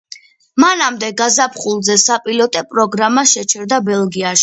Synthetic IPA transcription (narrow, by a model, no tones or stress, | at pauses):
manamd̪ɛɡazapʰχulˠzɛsapʼilɔt̪ʼɛpʼɾɔɡɾamaʃɛt͡ʃʰɛɾd̪abɛlˠɡiaʃ